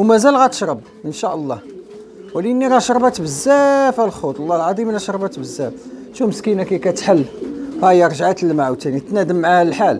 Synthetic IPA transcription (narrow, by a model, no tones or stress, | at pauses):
wmæzælɣæt̪ə̥ʃɾˤəb̚ | ʔənʃæʔəlˤːɑ | wliənːiɾɑʃɾˤbæt̪bəzːæfælxut̪ˤəlˤːɑlʕɑd̪ˤimlæʃɾˤbæt̪bəzːæfʃuməskinakæjkæt̪ħəlːɣæjəɾˤʒʕat̪əlːmaʕwt̪ænit̪næd̪əmːʕahləlħal